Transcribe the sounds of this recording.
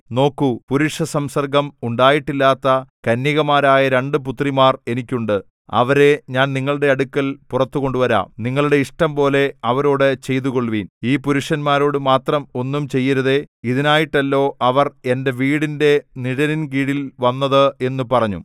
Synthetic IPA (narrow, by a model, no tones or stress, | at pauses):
no̞ːkːupuɾuʂɐsɐmsɐrɡɐmuɳɖaːjiʈːilːaːt̪ːɐkɐnːiɣɐmaːɾaːjɐɾe̞ɳɖɨp̬ut̪rimaːre̞nikʲːuɳɖɨ | ɐ̰ʋɐɾe̞ɲaːnniŋːɐɭuɽe̞ɐɽukːɐlpurɐt̪ːuɣo̞ɳɖuʋɐɾa̰ːmniŋːɐɭuɽe̞iʂʈɐmpo̞ːle̞ɐʋɐɾo̞ːɽɨt͡ɕe̞jt̪̬uɣo̞ɭʋiːniːpuɾuʂɐnmaːɾo̞ːɽɨmaːt̪rɐmo̞nːumt͡ɕe̞jːɐɾɐðe̞iðinaːjiʈːɐlːo̞ːʔɐʋɐre̞nde̞ʋiːɽinde̞niɽɐninkiːɽilʋɐnːɐðɨe̞nːupɐrɐɲːṵ